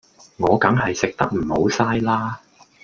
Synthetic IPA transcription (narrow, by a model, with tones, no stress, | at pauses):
ŋɔː˨˧kɐ˨˥ŋɦɐ˨jsɪ˨k̚t̪ɐ˥k̚m̩˨˩ho˨˥wsaː˥jlaː˥